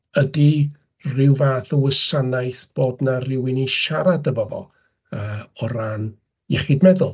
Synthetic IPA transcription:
ədi | rɪwvaːθəwəsanajθb̥oːdnarɪwɪniʃaɾadəvɔvɔ̰lˠ | əːɔɾan | jɛχɪdmɛðʊlˠ

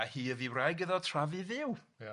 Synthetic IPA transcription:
ahiːəðiwrajɡəðɔtʰr̥avɨðɪw

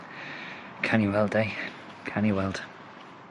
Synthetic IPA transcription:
kʰaniwɛlˠdej | kʰaniwɛlˠd̥

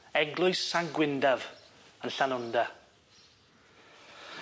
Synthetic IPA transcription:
ɛɡlˠʊɨsaŋɡwɪndav | ənɬanʊnda

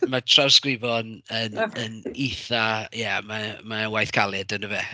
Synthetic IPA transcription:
matʰrawskwɪvɔnənəniθajamamawajθkʰalˠɨdənəvɛ

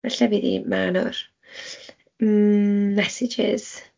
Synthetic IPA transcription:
vaɬaviðḭmanʊr | mɛsɪd͡ʒɪ̰z̥

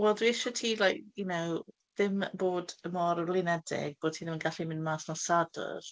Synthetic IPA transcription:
wɛlˠdwiɪʃɔtʰiːlˠajk̚junow | ðɪmboːdəmɔɾəlˠɪnɛdɪ̰ɡ̥̚b̥oːd̚tʰiːðɪmənɡaɬimɪnmaːsnɔsadə̰r

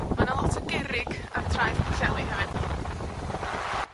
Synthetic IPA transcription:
manalˠɔtʰəɡɛɾɪɡ | a̰tʰrajv̥pʰəɬɛlˠiɦɛvɪn

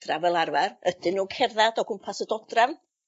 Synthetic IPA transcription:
d̥ravɛlˠarvarəd̥ɪnuːkʰɛrðadɔɡ̥ʊmpʰasədɔdrav

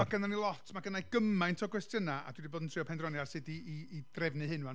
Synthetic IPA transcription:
aɡənanilˠɔtʰmaɡənajɡ̥əmajntʰɔɡwɛstjənaa̰dwidiboːdn̩tʰrɨɔpʰɛndrɔnjarsɨdiːd̥rɛvnɨɦɨnwan

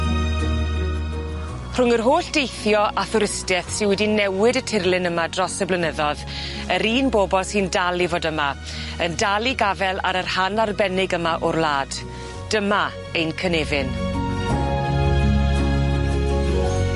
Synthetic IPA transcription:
r̥ʊŋərɦoːɬd̥ejθjɔʔaθʊɾɪstɛθsɪnwɛdinɛwɪdətʰɪrlˠɪnəmadrɔsəblənəðɔð | əɾiːnboːbɔlˠsɨːndalˠivoːdəma | əndalˠiɡavɛlˠa̰ɾərhanarbɛnɪɡəmaʔʊrlˠaːd̥ | d̥əma | ejnkʰənevɪn

